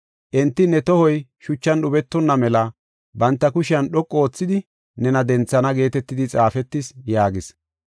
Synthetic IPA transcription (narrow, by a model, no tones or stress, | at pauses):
ʔɛnt̪ːɪnːɛt̪ɔhɔjʃʊt͡ʃːɐnɗʊbɛt̪ːɔnːɐmɛlɐ | bɐnt̪ːɐkʊʃɪɐnɗɔkʼːoːt͡sːɪd̪ɪ | nɛnɐd̪ɛnt͡sːɐnɐɡe̞ːt̪ɛt̪ːɪd̪ɪt͡sʼaːfɛt̪ːɪsjaːɡɪs